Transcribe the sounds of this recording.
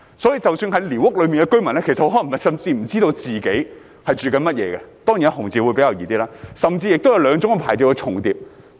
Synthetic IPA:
sɔː˨˥jiː˧t͡sɐ˨wsyː˧nɦɐ˨˥jliː˨˩wʊ˥k̚lɵ˨˧ɥmi˨nkɛ˧kɵ˥mɐ˨˩nɛ˥kʰe˨˩sɐt̚ho˧˥ɔː˨˥˨t̪ɐ˨˥sɐ˨˧mt͡siː˧m̩˨˩t͡siː˥t̪o˧wt͡siː˨ke˨˥j | hɐ˨jt͡ʃyː˨kɐ˨˧nmɐ˥t̚jɛ̰ː˨˧ɡɛ˧t̪ɔː˥ŋi˨nɐ˥hʊ˨˩ŋt͡siː˨˩wu˨˧jpe˨˧˥jɐ˧wjiː˧t̪iː˥laː˥sɐ˨mt͡siː˧jɪ˨k̚t̪wjɐ˨˧wlœː˨˧ŋt͡sʊ˨˥ŋkɐ˨˧pʰaː˨˩jt͡sɛ˧wkɛ˧t͡ʃʰʊ˨˩ŋt̪iː˨p̚

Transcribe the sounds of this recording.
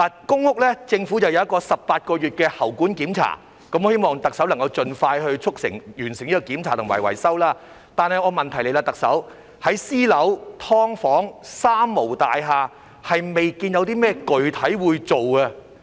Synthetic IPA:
laː˨˩kʊ˥ŋhʊ˥k̚lɛː˥t͡sɪ˧ŋfuː˨˥t͡sɐ˨wjɐ˧wjɐ˥kːɔː˧sɐ˨p̚paː˧t̚kɔː˧jyː˨t̚kɛː˧hɐ˨˩wkuː˨˥nkiː˨˥mt͡sʰa̰ː˨˩ | kɐ˧˥mɔː˧˦he˥jmɔː˨ŋt̪ɐ˨ksɐ˨˥wlɐ˨˩ŋkɐ˧wt͡ʃɵ˨nfaː˧jhɵ˧ɥt͡ʃʰʊ˥k̚sɪ̰˨˩ŋjyː˨˩nsɪ˨ŋiː˥kɔ˧kiː˨˥mt͡sʰaː˨˩t̪ʊ˨ŋwɐ̰˨˩jwɐ̰˨˩jsɐ˥wlaː˥ | t̪aː˨nhɐ˨jŋɔː˨˧mɐ˨nt̪ʰɐ˨˩jle˨˧laː˧t̪ɐ˨k̚sɐ˨˥w | hɐ˨˥jsiː˥lɐ˨˥wt̪ʰɔː˥ŋfɔː˨˥ŋsaː˥mːo˨˩wt̪aː˨jɦaː˨˧ | hɐ˨jme˨jkiː˧njɐ˨˧wt̪iː˥mɛː˥kɵ˨ɥt̪ʰɐ˨˥jwuː˨˧jt͡ʃt͡so˨wɡɐ˧

